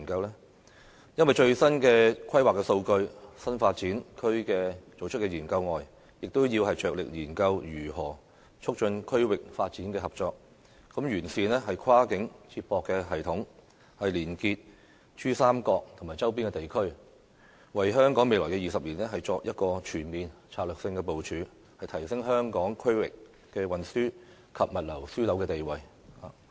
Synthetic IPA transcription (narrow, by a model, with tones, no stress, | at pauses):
nkɐ˧wlɛː˥ | jɐ˥nwɐ˨jt͡ʃɵ˧ɥsɐ˥nkɛː˧kʰɐ˥jwaː˨˩kːɛː˧so˧wkɵ˧ɥsɐ˥nfaː˧t̚t͡siː˨˥nkʰɵ˥ɥkɛː˧t͡so˨wt͡ʃʰt̚kɛ˧jiː˨˩nkɐ˧wŋɔː˨j | jɪ˨k̚t̪o˥wjiː˧wɦɐ˨jt͡ʃœː˨k̚lɪ̰˨k̚jiː˨˩nkɐ˧wjyː˨˩ɦɔː˨˩ | t͡ʃʰʊ˥k̚t͡ʃɵ˧nkʰɵ˥ɥwɪ˨k̚faː˧t̚t͡siː˨˥nkɛː˧hɐ˨p̚t͡ʃɔː˧k̚ | kɐ˨˥mjyː˨˩nsiː˨nɛː˥ɦɐ˨jkʰwaː˥kɪ˨˥ŋt͡sʰiː˧t̚pɔː˨˧kːɛː˧ɦɐ˨jt̪ʰʊ˨˥ŋ | hɐ˨jliː˨˩nkiː˧t̚ | t͡ʃyː˥saː˥mkɔː˧k̚t̪ʰmaː˨˩jt͡sɐ˥wp̬iː˥nkɛː˧t̪e˨jkʰɵ˥ɥ | wɐ˨jɦœː˥ŋkɔː˨˥ŋme˨jlɔː˨˩jkɛ˧jiː˨˩sɐ˨p̚liː˨˩nɛː˥ɦɐ˨jt͡sɔː˧k̚jɐ˥t̚kɔː˧t͡ʃʰyː˨˩nmiː˨nt͡sʰaː˧lœː˨˩ksɪ˧ŋkɛː˧po˨wt͡ʃʰyː˨˧ | hɐ˨jt̪ʰɐ˨˩jsɪ˥ŋɦœː˥ŋkɔː˨˥ŋkʰɵ˥ɥwɪ̰˨kː | ɛː˧wɐ˨nsyː˥ | kʰɐ˨p̚mɐ˨t̚lɐ˨˩wsyː˥lɐ˨˥wkɛː˧t̪e˨jwɐ˨j | aː˨